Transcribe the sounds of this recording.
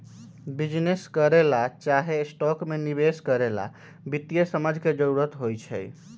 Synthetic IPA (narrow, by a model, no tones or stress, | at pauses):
bid͡ʒneskəɾelat͡ʃaɦesʈɔkmenibeskəɾela̰ | bit̪ːijəsəməd͡ʒʱked͡ʒəɾuɾət̪ɦojt͡ʃʰɛ̰j